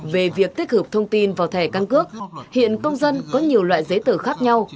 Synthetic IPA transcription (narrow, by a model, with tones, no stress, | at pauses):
ve˨˩vi˨˩ək̚t̪ʰi˦˥k̚hɨ˨˩p̚t̪ʰə˧wŋ͡mt̪i˧nvaː˨˩wt̪ʰɛ˧˩ka˧nkɨ˦˥ək̚hḭ˧˨ənkə˧wŋ͡mzə˧nkɔ˨˦ɲi˨˩əwlwa̰ː˧˨jzə˨˦jt̪ɨ˧˩xaː˦˥k̚ɲa˧w